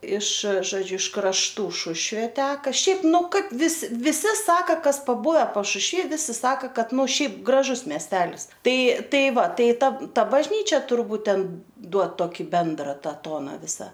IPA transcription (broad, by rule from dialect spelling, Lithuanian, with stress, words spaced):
ɪʃ ʒoːˈd͡ʒʲʊ ɪʃ krɐʃˈtuː ˈʃʊʃʲʋʲeː ˈtʲæːkɐ ˈʃʲɛɪp ˈnʊ kɐt ˈʋʲɪs ʋʲɪˈsʲɪ ˈsɑːkɐ ˈkɐs pɐˈbʊʋʲɛ pɐʃʊʃʲˈʋʲiː ˈʋʲɪsʲɪ ˈsɑːkɐ ˈkɐt ˈnʊ ˈʃʲɛɪp ɡrɐˈʒʊs mʲiɛsʲˈtʲæːlʲɪs ˈtɐɪ ˈtɐɪ ˈʋɐ ˈtɐɪ ˈtɐ ˈtɐ bɐʒʲˈnʲiːt͡ʃʲɛ tʊrˈbuːt ˈtʲɛn ˈduɔt toːˈkʲiː ˈbʲɛndrɐ ˈtɐ ˈtoːnɐ ˈʋʲɪsɐ